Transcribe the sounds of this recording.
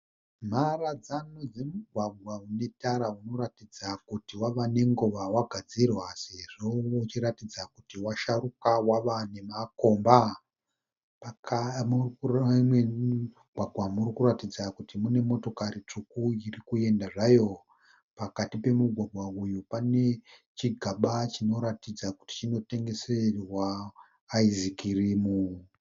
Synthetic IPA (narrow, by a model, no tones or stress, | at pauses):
m̤arad͡zano̞d͡ze̞muɡʱwaɡʱwaune̞taɾauno̞ɾatid͡zakutiwaʋane̞ŋɡoʋawaɡʱad͡zirwase̞ʐo̞ut͡ʃiɾatid͡zakutiwaʃarukawaʋane̞mako̞ːmba | umwe | ɡʱwaɡʱwamurikuratid͡zakutimune̞mo̞to̞kaɾit͡ʂukuirikue̞ndaʐajo̞ | pakatipe̞muɡʱwaɡʱwaujupane̞t͡ʃiɡʱaɓat͡ʃino̞ɾatid͡zaku̥ti̥t͡ʃino̞te̞ŋɡe̞serwaː | izikirimu